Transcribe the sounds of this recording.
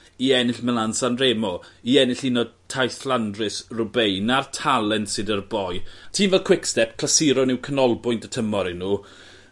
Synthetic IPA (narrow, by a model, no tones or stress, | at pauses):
iɛnɪɬmɛlansanreːmɔiɛnɪɬinɔd̚tʰajθlˠandrɪsrʊbejnartʰalˠɛntsɨdərbɔjatʰiːnvɛlˠkʰw̥ɪkstɛp̚kʰl̥asiɾɔnɪwkʰənɔlˠbʊjndətʰəmɔɾinuː